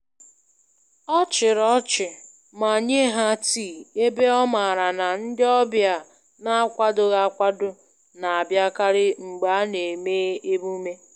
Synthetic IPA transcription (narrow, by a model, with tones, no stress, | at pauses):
ɔ˦t͡ʃɪ˨ɾɔ˦t͡ʃɪ˨ | ma˨ɲe˦ɦa˦tiː˦˨e˦be˦ɔ˦ma˨ɾa˨na˨n̩˦dɪ˦ɔ˦bja˨ | na˦a˦kʷa˦dʊ˨ɣa˦a˦kʷa˦dʊ˦ | na˨a˨bja˦ka˦ɾɪ˦ŋ͡m̩˨ɡ͡ba˨˦ne˨meː˦e˦bu˦me˦